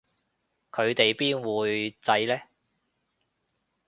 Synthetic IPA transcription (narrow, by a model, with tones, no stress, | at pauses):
kʰɵ˨˧ɥt̪e˨jpiː˥nwuː˨˧jt͡sɐ˧jlɛː˥